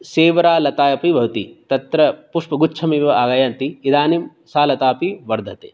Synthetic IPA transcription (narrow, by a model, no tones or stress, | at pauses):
seːʋɐɾaːlɐt̪aːjɐpibʱɐʋt̪it̪ɐt̪ɾɐpuʂpɐɡut͡ʃʰɐmiːʋɐaːɡɐjaːnt̪iid̪aːnim | saːlɐt̪aːpiʋɐɾd̪ʱɐt̪ḛː